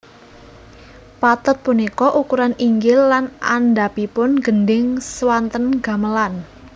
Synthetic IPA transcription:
pat̪ʊt̪̚punikɔʔukuɾaniŋɡɪlːana̰nɖapipʊnɡ̥ənɖɪŋswant̪ənɡ̥a̤məlan

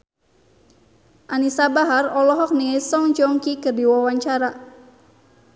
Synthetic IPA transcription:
ʔanisabaɦarɔlɔɦɔk̚niesɔŋd͡ʒɔŋkikərdiwawaɲt͡ʃaɾa

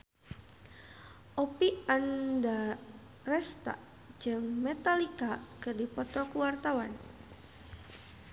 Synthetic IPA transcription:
ʔɔpianda | rɛst̪a̰̥ | d͡ʒɨŋmɛt̪alikakərdipɔt̪ɔkuwart̪awa̰n

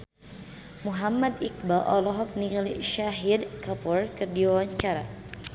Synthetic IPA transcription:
muɦamːad̪ik̚baʔɔlɔɦɔk̚niliʃaɦid̪̚kapɔrkərdiwawaɲt͡ʃaɾa

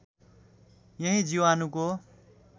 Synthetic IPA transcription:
jʌɦĩd͡ziwanuko

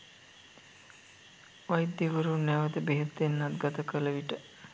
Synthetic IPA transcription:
ʋajd̪iʋəɾunɛʋət̪əbeɦət̪ːenːat̪ɡat̪əkələʋiʈə

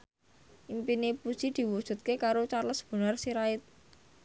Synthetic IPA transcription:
ʔimpinipu̥sid̪̥i̤wud̥ʒ̥ṳt̪̚kekaɾot͡ʃaləsb̥ṳnarsiɾaɪt̪̚

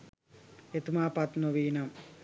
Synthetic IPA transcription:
et̪umaːpɐt̪noʋiːnɐm

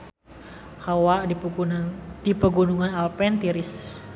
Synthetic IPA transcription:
hawaʔ | d̥ipəɡunuŋanalpɛnt̪iɾɪs

